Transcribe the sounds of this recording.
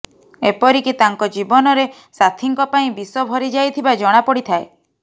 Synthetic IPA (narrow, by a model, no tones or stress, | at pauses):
epɔɾikit̪aŋkɔd͡ʒibɔnɔɾe | sat̪ʰiŋkɔpaĩbisɔbʱɔɾid͡ʒajt̪ʰibad͡ʒɔɽ̃apɔɽit̪ʰae